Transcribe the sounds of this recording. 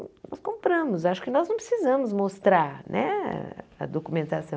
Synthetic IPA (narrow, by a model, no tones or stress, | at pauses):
nɔskõmpɾɐ̃mʊzaʃʊ̥kɪnɔznɐ̃w̃pɾɪ̥sizɐ̃mʊzmost̪ɾaɾnʔɛ̰ | ɐ̰d̪okumẽnt̪asɐ̃w